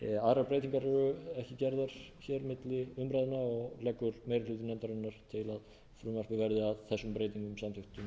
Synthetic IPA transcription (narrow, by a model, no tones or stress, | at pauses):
aːðɾapɾejt̪iŋkaɾɛɾʏɛhcɪcɛɾðaɾ̥çɛɾmɪt̪lɪʏmpɾajðɪnaɔɣlɛkːʏɾmejɾɪlʏt̪ɪnɛmt̪aɾanːaɾ̥t̪ʰɪlað | fɾʏːmaɾ̥kɪvɛɾðɪaðθɛsːʏmpɾeːjt̪iŋkʏmsamt̪ʏht̪ʏm